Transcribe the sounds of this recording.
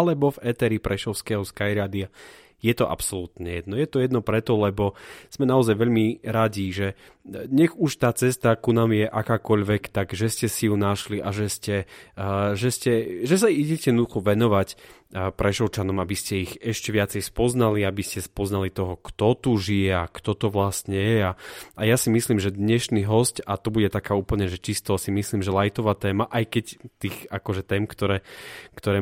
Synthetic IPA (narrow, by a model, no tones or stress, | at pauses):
alɛbɔvɛt̪ɛɾipɾʔɛʃɔʊskɛɦɔskajɾaːd̪ia | jɛt̪ɔʔa̰psɔlut̪ɲɛjɛd̪̚nɔjɛt̪ɔjɛd̪nɔpɾɛt̪ɔlɛbɔz̥mɛnaɔzajʋɛʎmiɾaɟiʒɛ | ɲɛɣuʃt̪aːt͡sɛst̪akunaːmjɛʔakaːkɔʎʋɛkt̪aɡʒɛscɛsijunaʃliʔaʒɛscɛ | ʒɛscɛʒɛsaiɟɛcɛjɛd̪nɔd̪uxɔʋɛnɔʋacpɾɛʃɔʊt͡ʃanɔmabiscɛiɣɛʃcɛʋɪat͡sɛjspɔznaliabiscɛspɔznalit̪ɔɦɔkt̪ɔt̪uʒijɛakt̪ɔt̪ɔʋlast̪ɲɛjɛaajasimisliːmʒɛd̪ɲɛʃniɦɔscat̪ɔbuɟɛt̪akaːuːpl̩ɲɛʒɛt͡ʃist̪ɔsimisliːmʒɛlajt̪ɔʋaːt̪ɛːmaʔajkɛct̪iːxakɔʒɛt̪ɛːmkt̪ɔɾɛːkt̪ɔɾɛː